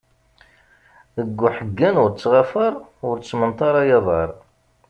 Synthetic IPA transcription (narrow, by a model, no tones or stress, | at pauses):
əɡːʊħəɡːænʊɾt͡sːʁafəɾˤʊɾt͡sːmənt̪ˤɑɾˤajɑðˤɑɾˤ